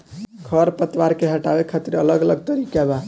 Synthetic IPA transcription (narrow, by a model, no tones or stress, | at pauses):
ɡʱəɾpət̪waɾkeɦəʈabekʰat̪iɾələɡələɡ̚t̪əɾikaba